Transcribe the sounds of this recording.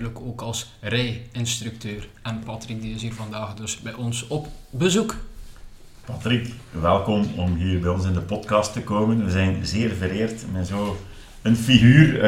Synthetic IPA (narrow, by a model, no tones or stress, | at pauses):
ləkoːkɑlˠsrɛjɪnst̪ryk̚tøːrɛnpɑtrik̚diɪsɦiːrvɑndaːxdɵsbɛjɔnsɔpbəzuk | pɑtrikʋɛlˠkɔmɔmɦiːrbɛjɔnsɪndəpɔtkɑstəkoːmənʋəzɛjnzɪːrvəɾeːrtmɛnzoː | ənfiɣyːr